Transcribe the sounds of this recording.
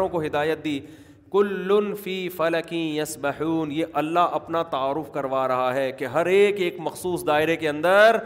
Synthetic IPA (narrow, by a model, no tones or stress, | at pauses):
õkoɦɪd̪aːjət̪̚d̪iː | kʊlːʊnfiːfɐlɐkĩːjɐsbɐħuːnjeːʔɐlːaɦʔɐpnat̪aaːɾʊfkɐɾʋaːɾɐɦaɦɛːkeɦɐɾeːkeːkmɐxsuːsd̪aːɪɾekeɐ̃nd̪əɾɾ